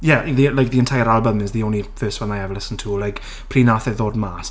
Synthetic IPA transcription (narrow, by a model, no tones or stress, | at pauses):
jɛðilajk̚ðiəntʰajəɾalˠbəmɪzðiownifɜːstwɛnajɛvəlɪsən̩tʰulajk | pʰr̥iːnaθɛðoːdmaːs